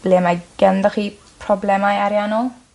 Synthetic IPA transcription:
b̥lemajɡ̥ɛndəχiː | pʰrɔblɛmajaɾjanɔlˠ

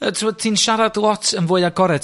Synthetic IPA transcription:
ətʰrwɔd̚tʰinʃaɾadlˠɔtʰənvʊːɨaɡɔɾɛt

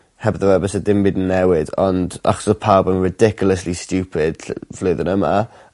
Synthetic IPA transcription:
hɛbəðəɛbəsədɪmbidn̩ːɛwɪdɔnda̰χɔ̥səpʰawbənɹɪdɪkʰjʊlˠəslistjuːpʰɪd̥v̥loɨðənəma̰

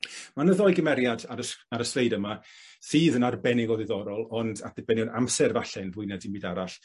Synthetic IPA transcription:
manəðɔɨɡəmɛɾjadaɾəaɾəskrejdəmasiːðənarbɛnɪɡɔðɪðɔɾɔlˠɔnda̰t̚d̥ɛb̥ɛnjɔnamsɛrvaɬɛnvʊɨnɛdimiːdaɾaɬ

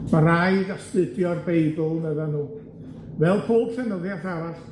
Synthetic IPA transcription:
maɾajdastɨdjɔrbejbʊlˠnəðanuː | vɛlˠpʰoːb̥sɛnəðjaθaɾaɬ

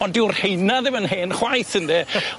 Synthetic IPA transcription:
ɔndɪʊrhejnaðɪmənɦeːnχwajθəndɛ

